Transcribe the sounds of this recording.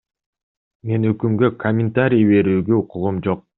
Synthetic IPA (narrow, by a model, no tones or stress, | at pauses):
me̞nøkymɡø̞kʰɐmʲɪnt̪aɾʲijːβe̞ɾyːɡøuqʰuʁumd͡ʒo̞q̚